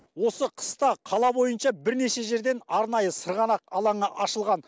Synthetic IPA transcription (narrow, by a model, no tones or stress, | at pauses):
wo̞səqʰə̥st̪ɑqʰɑlˠɑbo̞jənʃɑbɪɾne̞ʃe̞ʒe̞ɾd̪e̞nɑɾnɑjəsəɾʁɑnɑq̚ɑlˠɑɴəʔɑʃəlˠʁɑn